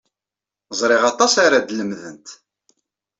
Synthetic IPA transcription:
zˤɾˤɪʁɑt̪ˤɑsaɾad̪ləmðə̰nt̪

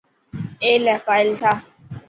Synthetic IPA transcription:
elɛfajltʰa

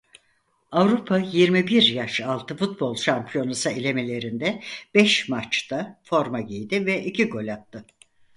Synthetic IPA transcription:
avɾupʰajiɾmibiɾjaʃalˠt̪ʰɯfut̪̚bo̞lˠʃampʰijo̞nasɯilʲe̞melʲe̞ɾind̪ɛb̥ɛʃmat͡ʃt̪ʰafo̞ɾmaɟijd̪ivɛʔicʰiɡo̞lʲat̪ːɯ

